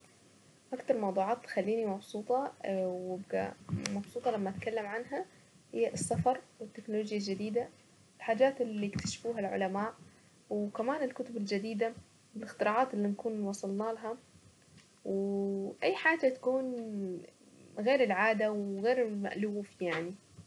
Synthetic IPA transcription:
ʔakt̪ɑɾˤmɑwd̪ˤuːʕɑːt̪ːxalːiːnimɑbsˤuːt̪ˤɑwɪbɡa̰mɑbsˤuːt̪ˤɑlamːaʔt̪kalːamʕanɦa | hɪjːaʔɪsːafɑɾˤwɪt̪ːɪknoloːd͡ʒjald͡ʒɪd̪iːd̪a | ɪlħaːd͡ʒaːt̪ɪlːiɪkt̪ḁʃfuːɦalʕʊ̰lamaːʔ | wkamaːnɪlkʊt̪ʊbɪld͡ʒad̪iːd̪a | ɪlɪxt̪ɪɾɑːʕaːt̪ɪlːinkuːnwɑsˤɑlnaːlaɦa | wʔajːħaːd͡ʒat̪ḁkuːn | ɣeːɾɪlʕaːd̪awɣeːɾɪma̰ʔluːfjaʕni

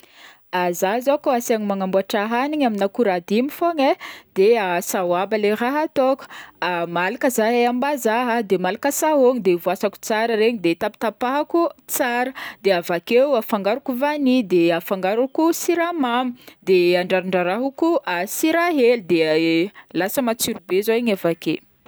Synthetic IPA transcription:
azazakoasaɲimaŋambuaʈ͡ʂaɦaniɲaminakuɾad̪imifoŋed̪̥easawabaleraɦat̪ɔkə̥amalakəzaɦeambazaɦəd̪emalakəsaɦoŋid̪evuasaku̥t͡saɾəɾeɲid̪et̪api̥t̪apaɦakut͡saɾəd̪eavakewafaŋɡaɾukuvanid̪eafaŋɡaɾukusiɾamamid̪eaɳɖ͡ʐaɾaɳɖ͡ʐaɾaɦukuasiɾaɦelid̪e | lasəmat͡siɾubezoiɲavake

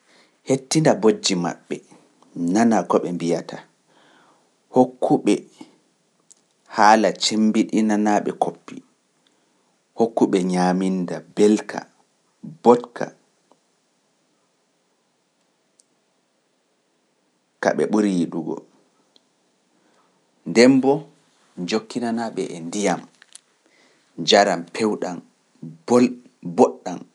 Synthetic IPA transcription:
hetːindabod͡ʒːima̰ɓːɛ | nanakɔɓɛmbijata | hokʰːuɓɛ | haːlat͡ʃembiɗinanaːɓɛ̰kʰopːi | hokːuɓɛɲaːmindabɛlkʰa̰ | bɔtkʰa̰ | ka̰ɓɛ̰ɓuɾiɗuɡɔ̰ | ndɛmbɔ | d͡ʒokːinanaɓɛʔɛndijam | d͡ʒaɾampʰɛwɗan | bɔɗːan

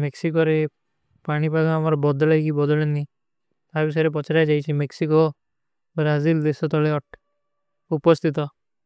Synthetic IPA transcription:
meksikɔɾe | paɽ̃ipakɔamaɾɔbɔd̪ɔlajkibɔd̪ɔleni | t̪aɾbis̬ɔjɾep̬ɔt͡ʃʰaɾajd͡ʒajt͡ʃʰimeksikɔ | bɾazild̪esɔt̪ɔleɔʈ | upɔst̪ʰit̪ɔ

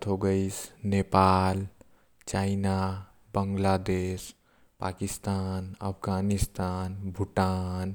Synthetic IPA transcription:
t̪ʰɦoɡəɪsnepal | t͡ʃaɪna | bəŋɡlad̪es | pakist̪aːnə̰pʰɡanist̪aːnbʱʊʈan

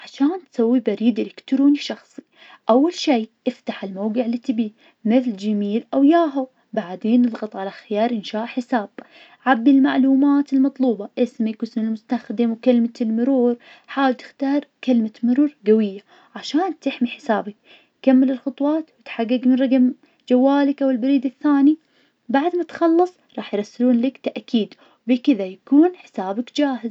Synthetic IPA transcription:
ʕaʃaːnt̪sawːibaɾiːd̪ɪlɪkt̪ɾuːniʃɑxsˤi̥ | ʔawːalʃiːʔɪft̪aħɪlmawɡɪʕɪlːit̪ɪbi | mɪθld͡ʒamiːlʔawjaːɦʊ | baʕd̪eːnːɨd̪ˤɣɑt̪ˤʕalaxɪjɑːɾˤʔɪnʃaːʔħɪsaːb̚ | ʕabːilmaʕluːmaːt̪ɪlmɑt̪ˤluːbɑʔɪsmɪkɪsmɪlmʊst̪axd̪ɪmwkalmaɪlmʊɾuːɾ | ħaːwɪlt̪ɪ̥xt̪ɑːɾˤkɪlmamʊɾuːɾˤɡawɪjːa | ʕaʃaːnt̪ɪħmiħɪ̥saːbak̚ | kamːɪlɪlxʊt̪ˤwɑːt̪wɪt̪ħaɡːɪɡmɪnɾˤɑɡm | d͡ʒawːaːlɪkʔawɪlbaɾiːd̪ɪθːaːni | baʕd̪mat̪xɑlːɨsˤɾˤɑːħjɾˤɑsːɪluːnlakt̪aʔkiːd̪ | wbikɪðajakuːnħɪ̥saːbakd͡ʒaːɦɪz

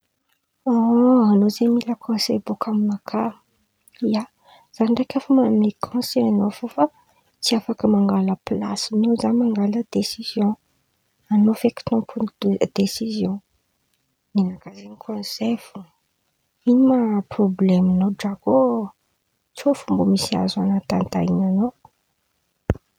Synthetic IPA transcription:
oanozemiləkʰɔ̃nsebokʰamimakʰa | ija | z̥anɳɖ͡ʐakʲafəmamekʰɔ̃nseanofufə | t͡siafakəmaŋɡaləpla̰sinozamaŋɡaləd̪esizjɔ̃ | anofeki̥t̪upʰud̪esizjɔ̃ | ninakazenikʰɔ̃nsefu | inimaproblɛminoɖ͡ʐaɡo | t͡sofumbomisia̰zanat̪ant̪a̰jinano

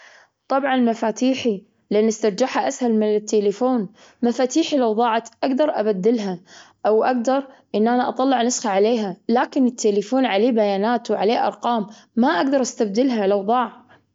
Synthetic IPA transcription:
t̪ˤɑbʕɑnlmafaːt̪iːħi | lɪʔɪnːɪst̪ɑɾˤd͡ʒaħhaʔashalmɪnɪt̪ːeːlafoːn | mafaːt̪iːħilawðˤɑːʕat̪ʔaɡd̪ɑɾˤʔa̰bad̪ːɪlɦa | ʔawʔaɡ̚d̪ɑɾˤʔɪnːʔanaʔɑt̪ˤɑlːɪʕnʊsxaʕaleːɦalaːkɪnɪt̪ːeːlɪfoːnʕaleːbajaːnaːt̪wʕaleːʔɑ̰ɾˤqɑːmː | aʔaɡd̪ɑɾˤʔast̪ab̚d̪ɪlɦalawðˤɑːʕ

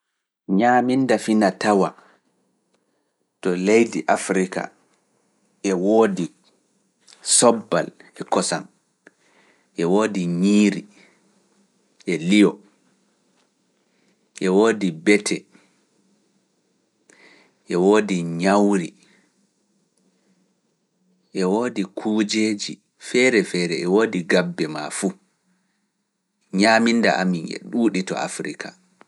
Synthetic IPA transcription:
ɲaːmindafinatawa | tɔlejdiʔafɾika̰ | ʔɛwoːdi | sɔbːa̰lɛkɔsan | ʔɛwoːdiɲiːɾi | ʔɛlijɔ | ʔɛwoːdibɛtʰɛ | ʔɛwoːdiɲawɾi | ʔɛwoːdikʰuːd͡ʒeːd͡ʒi | fɛɾɛfɛɾɛɛwoːdiɡabːɛma̰fu | ɲaːmindaʔaminɛ̰ɗuːɗitɔ̰a̰fɾika

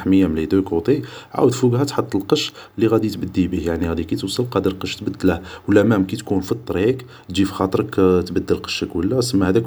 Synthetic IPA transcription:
ħməjːamlid̪ukut̪ˤiʕa̰wəd̪fuɡhæt̪ħət̪ˤːəlqəʃlːiɣæd̪it̪bəd̪ːibihjaʕniɣæd̪ikit̪wsˤəlqɑd̪əɾlqəʃt̪bəd̪ːləhwəlʔæmæmkit̪kunfit̪ˤːɾik̪ | d͡ʒifixɑt̪ˤɾˤəkt̪bəd̪ːəlqə̥ʃəkwəlːæsəmːahæd̪æk

